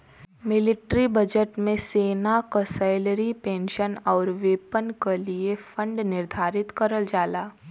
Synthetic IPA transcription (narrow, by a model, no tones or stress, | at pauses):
mɪlɪʈɾibɐd͡ʒəʈmẽseːnakɔsaɪlɾipẽːnʃənɔːɾʋeːpənkeliefə̃ɳɖnɪɾd̪ʱaːɾɪt̪kɐɾəld͡ʒaːlaː